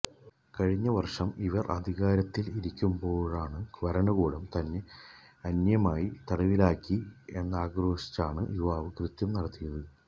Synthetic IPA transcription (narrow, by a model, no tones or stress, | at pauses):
kɐɻiɲːɐʋɐrʂɐmiʋɐrʔɐ̰d̪ʱiɣaːɾɐt̪ːiliɾikʲːumbo̞ːɻaːɳɨʋɐɾɐɳuɣuːɽɐmt̪ɐnːe̞ | ɐnjɐmaːjit̪ɐɽɐʋilaːkːie̞̰nːɐaːɡro̞ːʂi̥t͡ɕːaːɳɨ̰juʋaːʋɨkrɨt̪jɐmnɐɽɐt̪ːijɐðɨ